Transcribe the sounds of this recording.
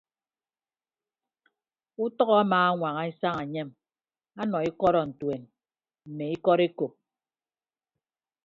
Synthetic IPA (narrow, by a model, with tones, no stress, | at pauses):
u˦tɔ˦ɣɔ˦a˦maː˨a˦ŋʷa˨ŋa˨e˦sa˦ŋa˨ɲe˦m | a˦nɔ˨i˦kɔ˦ɾɔ˨n̩˨twe˨n | m̩˨me˨i˦kɔ˦ɾe˦ko˨p̚